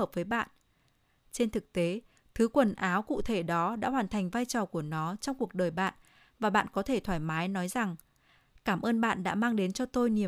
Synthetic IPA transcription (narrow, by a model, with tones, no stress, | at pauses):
əː˨˩p̚vəː˨˦jɓa̰ː˧˨nʔ | t͡ɕe˧nt̪ʰɨ˨˩k̚t̪e˨˦ | t̪ʰɨ˨˦kwə˨˩nʔaː˨˦wkṵ˧˨t̪ʰe˧˩ɗɔ˨˦ɗa̰ː˧˥ɦwaː˨˩nt̪ʰa˨˩jŋ̟vaː˧jt͡ɕɔ˨˩ku˧˩ənɔ˨˦t͡ɕɔ˧wŋ͡mku˨˩ək̚ɗəː˨˩jɓa̰ː˧˨n | vaː˨˩ɓa̰ː˧˨nkɔ˨˦t̪ʰe˧˩t̪ʰwaː˧˩jmaː˨˦jnɔ˨˦jza˨˩ŋ | kaː˧˩mʔəː˧nɓa̰ː˧˨nɗa̰ː˧˥maː˧ŋɗe˨˦nt͡ɕɔ˧t̪o˧jni˨˩ə